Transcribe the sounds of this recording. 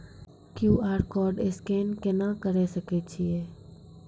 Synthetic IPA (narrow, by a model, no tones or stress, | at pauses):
kjuːaːɾkɔːɾɖɪskeːnkenakəɾesəket͡ʃʰieː